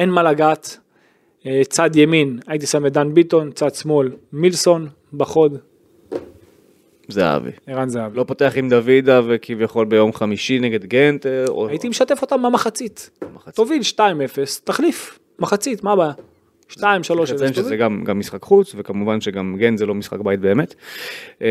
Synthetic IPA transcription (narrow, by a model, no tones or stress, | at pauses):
enmalaɡat̪ | et͡sad̪jeminait̪̬isamed̪anbit̪o̞nt͡sad̪smo̞lmilso̞n | baχo̞d̪ | zeaa̰vḭeʁanzeavilopo̞t̪eaχimd̪avid̪avekivjaχo̞lbejo̞mχamiʃineɡe̞d̪ɡent̪eoait̪imeʃat̪e̞fo̞t̪amamaχat͡sit̪tovilʃtaime̞fe̞st̪aχlif | maχat͡sit̪mabaa | ʃtaimʃalo̞ʃeʃeszeɡamɡamːisχakχut͡svekamuvanʃeɡamɡent̪zelo̞misχa̰kbajit̪̚be̞ːmet̪